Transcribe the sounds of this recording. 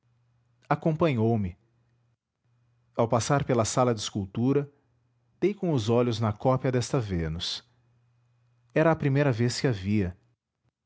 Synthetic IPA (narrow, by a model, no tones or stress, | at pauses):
akõpɐ̃ɲowmɪ | awpasaɾpelɐsalɐd͡ʒ̪ɪskuwt̪uɾɐ | d̪̥ejkõw̃ʊzɔʎʊznɐkɔpjɐd̪ɛst̪ɐvenʊs | ɛɾɐːpɾimejɾɐveskɪaviɐ